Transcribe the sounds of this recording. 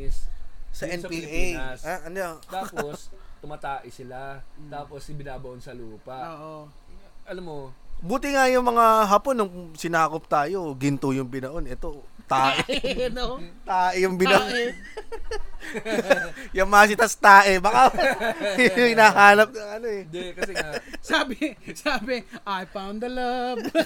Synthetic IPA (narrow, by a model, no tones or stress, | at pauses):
ssɐɛnpiʔajsaʔɐnd̪ɛt̪aːpost̪ʊmat̪aːʔɪsɪlat̪aːposɪbɪnaːbɐʔonsɐluːpɐʔoʔo | ʔɐlɐmːobuːt̪ɪŋɐjʊŋmɐŋaɦaponːʊŋsɪnaːkop̚t̪aːjo̞ɡɪnt̪ojʊŋbɪnɐʔonɛt̪ot̪aːʔɪnt̪aːʔɪjʊŋbɪnɐʔʔo | jɐŋmasɪt̪ɐst̪aːʔɛbɐka | ŋɪnaːɦaːnɐp̚nɐŋɐno̞ɛd̪kɐsaːbɪsaːbɪʔajpawnd̪ɐlɐb